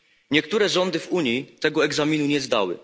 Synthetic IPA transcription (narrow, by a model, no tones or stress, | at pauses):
ɲɛkt̪uɾɛʐɔnd̪ɘvuɲjit̪ɛɡɔɛɡzamʲinuɲɛzd̪a̰wɘ̰